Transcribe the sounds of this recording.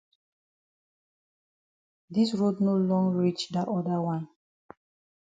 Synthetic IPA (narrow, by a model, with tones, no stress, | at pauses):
di˦sɹo˦dno˦lɔ̃˦ŋɹi˦t͡ʃda˨ʔɔ˦da˦wãn